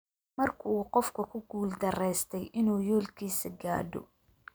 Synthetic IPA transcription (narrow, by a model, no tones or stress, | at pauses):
mɐrkʰʊuːqɔfkʰɐkʰʊɡuːld̪ɐrɛjst̪ʰɛjʔɪnuːjɔːlkʰiːsɐɡa̰ːdɔ̰